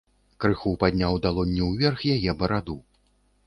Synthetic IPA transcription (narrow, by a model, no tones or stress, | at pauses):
kɾɨxupad̪ʲnʲawd̪alˠɔnʲːɛwvʲɛrxjajɛbɐɾad̪u